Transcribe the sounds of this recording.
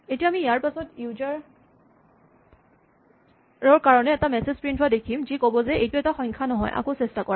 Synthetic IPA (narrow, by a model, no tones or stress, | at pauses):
etijaamiːjaɹpasɔtjuzaɹ | ɹɔɹkaɹɔnɛːtamɛsezpɹintʰʊwadekʰimzikobɔzɛʔejtʊɛtaxɔjŋkʰanɔɦɔ̰jʔa̰kosɛstakɔɹa